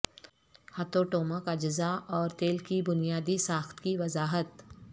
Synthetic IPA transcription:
hɐt̪oʈoːməkɐd͡ʒəzaɔːɾt̪eːlkibʊnijaːd̪isaːxt̪kiʋɐzaːɦət̪

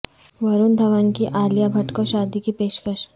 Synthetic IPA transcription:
ʋɐɾund̪ʱɐʋankiʔaːljabʱɐʈkoʃaːd̪ikipeːʃkəʃ

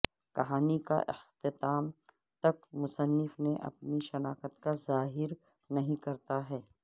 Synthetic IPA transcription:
kɐɦaːnika̰ʔɪ̰xt̪ɪt̪aːm | t̪ɐkmʊsənːɪfneʔɐ̰pniʃɐnaːkət̪kazaːɦɪɾ | nɐɦĩkɐɾt̪aɦɛː

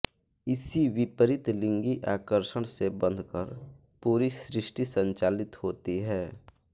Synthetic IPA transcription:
ɪsiwɪpəɾɪt̪lɪ̃ŋɡiʔaːkəɾʃəɽ̃sebə̃nd̪ʱkəɾ | puːɾisɾɪʃʈisə̃ɲt͡ʃaːlɪt̪hoːt̪iɦɛː

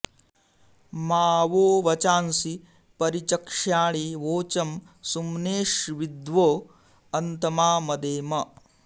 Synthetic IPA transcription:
maːʋoːʋɐt͡ʃaːnsi | pɐɾit͡ʃɐkʂaːɭiʋoːt͡ʃɐm | sumneːʂʋid̪ʋoː | ɐnt̪ɐmaːmɐd̪eːmɐ

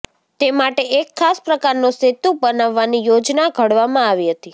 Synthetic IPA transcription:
t̪emaʈeʔekʰːaspɾəkaɾnũset̪ːubənaʋːanijod͡ʒnaɡʱəɽʋamãaʋiɦət̪i

